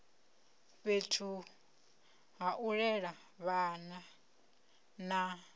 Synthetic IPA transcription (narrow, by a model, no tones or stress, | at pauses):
βetʰu | ɦaʔuɺɛɺa | βana | na